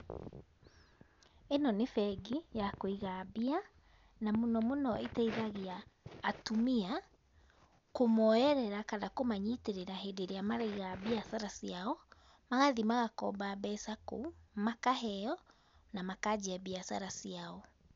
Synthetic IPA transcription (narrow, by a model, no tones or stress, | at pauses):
enɔnefɛɡijakoiɣabia | namonɔmonɔetɛiðaɣiaːtumia | komɔɛɾɛɾakanakomaɲiteɾeɾaɦedeɾeamaɾaiɣabiasaɾasiaɔ | maɣaðimaɣakɔ̰baːbɛsako̰makaɦɛɔ | namakad͡ʑiabiasaɾasiaɔ